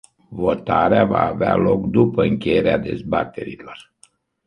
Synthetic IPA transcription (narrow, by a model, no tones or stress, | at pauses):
vo̞t̪aɾeavaːvea̰lo̞kd̪upəɨŋkʲe̞je̞ɾead̪e̞zbat̪e̞ɾilo̞r